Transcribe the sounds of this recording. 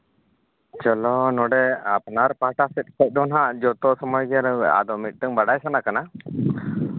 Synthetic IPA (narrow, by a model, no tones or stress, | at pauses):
t͡ʃɔlɔnɔɖɛapnaɾpaʈasɛt̪̚ˀkʰɛt̪̚ˀd̪ɔnɦaʔd͡ʒɔt̪ɔsɔmɔjɡɛɾa̰d̪ɔmit̪̚ˀt̪əŋbaɖajsanakana